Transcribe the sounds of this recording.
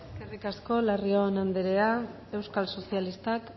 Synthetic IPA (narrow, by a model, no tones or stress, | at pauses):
skerikasko̞larionand̪eɾea | e̞wskalso̞sialist̪ak